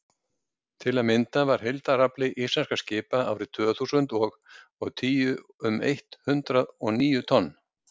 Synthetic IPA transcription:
t̪ʰɪlaðmɪnt̪avaɾ̥hejlt̪araplɪʔislanskḁscɪːpaa̰ːwɾɪt̪ʰvœːθusʏnt̪ɔːɣɔɣt̪ʰiːjʏʏmḛjht̪hʏnt̪ɾaðɔniːjʏt̪ʰɔnː

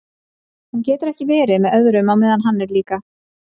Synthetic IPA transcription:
huncɛːt̪ʏɾɛhcɪvɛːɾɪmɛðœðɾʏmawmɛːðanɦanːɛɾliːka

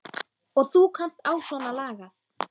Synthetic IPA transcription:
ɔɣθukʰan̥t̪aːwsɔnalaːɣaθ

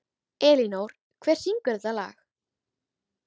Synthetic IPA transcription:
ɛːlinowɾ̥ | kʰvɛːr̥siŋkʏɾðala̰ːx

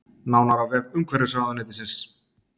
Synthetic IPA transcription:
naːwnaɾavɛðʏmkʰvɛɾɪ̥saːɣðanɪːt̪ɪsɪns

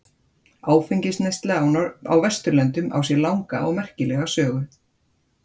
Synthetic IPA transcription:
aːwfeɲcɪsnejst̪lɛa̰wvɛst̪ʏɾlɛnt̪ʏma̰wsjɛlawŋkaɔɣmɛr̥cɪlɛɣasœːɣʏ

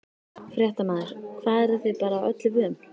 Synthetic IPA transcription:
fɾjɛht̪amaːnðɪɾ̥kʰvaːðɛɾaθɪðpaːɾaːwʔœ̰t̪lɪvɪðʏm

